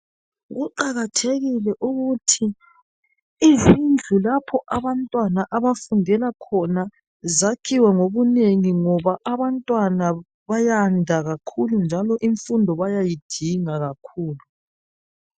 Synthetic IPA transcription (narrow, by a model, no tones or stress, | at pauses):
ɣuǃaɣatʰeɣilɛʔuɣutʰi | zind͡ɮʱulapʰɔʔaβantʼwanaʔaβafundʱɛlakʰɔna | zakʰiwɛŋoβuneŋiŋɔβaʔaβantʼwana | βajandʱaɣakʰulund͡ʒʱalɔʔiɱfundʱɔβajajid̥ʱiŋaɣakʰuːlu